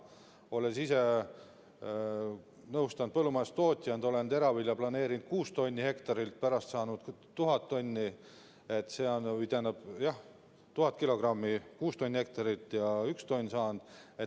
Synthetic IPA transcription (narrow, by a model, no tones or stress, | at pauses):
o̞lesise̞ | nɤwst̪ɑnd̪̚pɤlːumɑest̪o̞ːt̪ʲijɑnd̪o̞le̞nd̪e̞ɾɑvilʲjɑplɑne̞ːɾind̪̥̚kuːst̪o̞nʲːihe̞kt̪ɑɾilt̪̚pæɾɑst̪sɑːnud̪̥t̪ːuɦɑt̪ːo̞nʲːi | e̞t̪ːˑse̞ːonyd̪enɑb̥jɑh | t̪uhɑt̪̚kilo̞ɡ̥rɑmːikuːst̪o̞nʲːihe̞k̚t̪ɑɾit̪ːˑjɑykst̪o̞nʲːsɑːnd̪̥e̞